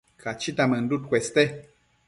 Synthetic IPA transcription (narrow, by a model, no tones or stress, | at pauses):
kʰat͡ʃitamən̩dut̚kʷwɛstɛ